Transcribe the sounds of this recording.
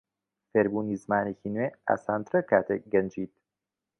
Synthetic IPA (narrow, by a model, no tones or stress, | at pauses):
feːɾbuːniːzmaːneciːnweːa̰saːnt̪ɾɐkʰaːt̪ʰek̚ɡɐnd͡ʒiːt̪